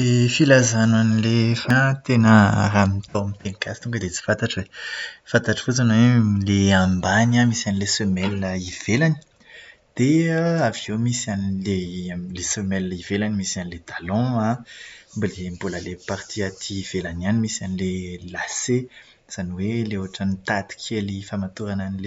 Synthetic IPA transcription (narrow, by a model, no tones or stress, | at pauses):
efilazananilefat̪enə̰ɾamit̪omp̪eŋkʰasi̥t̪ũŋkəd̪et͡si̥fãt̪aʈ͡ʂəwefãnt̪aʈ͡ʂə̥fot͡sanoweleãmbanamisanilesømɛlːəiv̥elani̥ | d̪̥eaaviemisanilelesømɛləiv̥elanimisianilet̪alɔ̃ambalembolalepaɾt̪iat̪ʰiːv̥elananimisanilelase | z̥aniweleoaʈ͡ʂanit̪at̪i̥kʲʰelifamat̪uɾananile